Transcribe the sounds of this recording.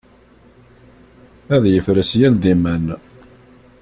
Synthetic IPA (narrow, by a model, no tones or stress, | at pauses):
æðjəfɾəsjæld̪imæn